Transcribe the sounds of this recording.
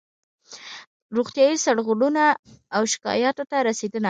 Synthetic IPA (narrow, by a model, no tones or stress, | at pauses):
ɾoɣt̪jɑjisaɽɣoɽunaːwʃɪ̥kɑ̰jɑt̪ot̪aɾased̪əna